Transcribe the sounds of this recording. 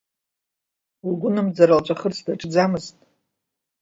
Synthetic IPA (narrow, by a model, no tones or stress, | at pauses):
uɡʷʊnɨmd͡zaɾalt͡ʃʷʼaχərt͡sʰdaʈ͡ʂʼd͡zamɨztʼ